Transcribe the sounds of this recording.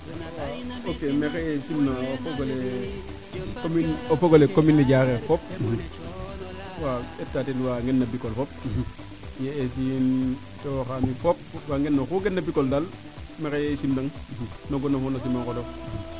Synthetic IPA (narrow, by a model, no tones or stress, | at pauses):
nwaokemekejesimnaofoɡole | kominofoɡolekominːeɟakefop̚ | waetːatelwaŋɡenːabikolfop̚ | jees̬in | towxamifop̚waŋɡenːokuɡenːabikoldal | mekejesimnaŋnoɡonofonos̬imaŋkodo